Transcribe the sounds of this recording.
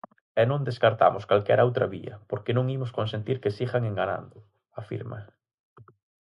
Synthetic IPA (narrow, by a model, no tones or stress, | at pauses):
ɛnõnd̪eskaɾt̪a̰mʊskalkɛɾowt̪ɾɐβḭɐ̰poɾkenõŋimʊskons̬ent̪iɾkesiɣaŋeŋɡana̰nd̪ʊ | afḭɾmɐ̰